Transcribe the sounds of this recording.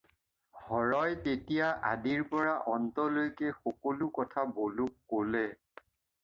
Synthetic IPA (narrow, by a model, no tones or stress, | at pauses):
hɔɹɔjtetijaʔa̰diɹpɔɹaʔɔntɔlojkɛxɔkɔlʊkɔtʰabolukːolɛ